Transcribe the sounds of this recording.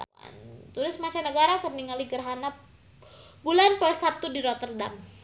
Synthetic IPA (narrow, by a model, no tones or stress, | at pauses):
a̰nt̪uɾɪsmat͡ʃanəɡaɾakərniŋaliɡərɦana | bulanpəlsat̪udiɾot̪ərda̰m